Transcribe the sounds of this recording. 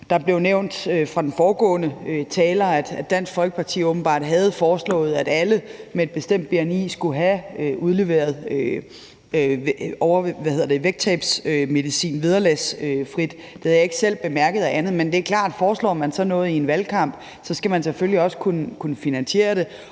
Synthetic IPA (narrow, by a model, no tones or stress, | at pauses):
d̥ɑ̈b̥le̝ʊneʊ̰nd̥øfʁɑ̈d̥en̩fɒːɡ̥ɔ̰̽ːnəøt͡sʰɛːlɐæd̥æd̥æn̰sɡ̥fɒ̽lɡ̥ə̥pʰɑ̈t͡sʰḭːɔ̽ːb̥n̩b̥ɑ̈ːd̥ɦæð̞̩ˠfɒːslɔ̰̽ːð̞̩ˠæd̥æləmee̝d̚b̥e̝sd̥em̰d̥̚b̥iænḭːsɡ̥uɦæøʔuð̞ˠle̝ʋe̝̰ːɐð̞̩ˠø | ɒʊɐʋæheð̰ˠɐd̥e̝ʋeɡ̥̚t͡sʰɛb̥søme̝ðˠisḭːnʋið̞ˠɐlæsøfʁid̥ | d̥e̝hæjɑ̈e̝ɡ̥ə̥sel̰b̥e̝mæɐɡ̥ð̩ˠæʔænð̞̩ˠmend̥e̝ækʰlɑ̰̈ːd̥fɒːslɔ̰ːmænsɒ̽nɔ̽ːð̩ˠienʋælkʰɑ̈m̰b̥ | sɒ̽sɡ̥æmænsefølliɒ̽sə̥kʰunkʰunəfinænse̝̰ːɐɾ̥e̝